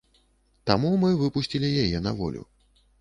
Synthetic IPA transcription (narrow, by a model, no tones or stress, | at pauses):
t̪amumɨvɨpusʲt͡sʲilʲijajɛnɐvɔ̰lʲṵ